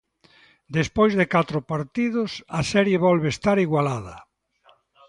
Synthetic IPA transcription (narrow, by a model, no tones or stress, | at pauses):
d̪espojzðekat̪ɾʊpaɾt̪iðʊsasɛɾjeβɔlβest̪aɾiɣwalað̞ɐ